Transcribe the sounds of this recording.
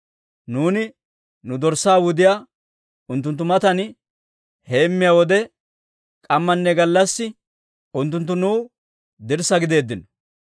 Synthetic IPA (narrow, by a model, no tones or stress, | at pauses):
nuːnɪ | nʊd̪ɔɾsːaːwʊd̪ɪjaː | ʊnt̪ːʊnt̪ːʊmɐt̪ɐn | he̞ːmːɪjawɔd̪ɛ | kʼɐmːɐnːɛɡɐlːɐsːɪ | ʊnt̪̬ːʊnt̪̬ːʊnuː | d̪ɪɾsɐɡɪd̪e̞ːd̪ːɪnɔ